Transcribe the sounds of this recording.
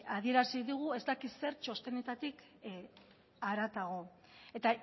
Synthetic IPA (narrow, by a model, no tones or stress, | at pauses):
aðie̞ɾasiðuɣ̞ue̞zt̪akise̞ɾt͡ʃo̞st̪e̞ne̞t̪at̪ik | aɾat̪aɣ̞o̞ | e̞t̪a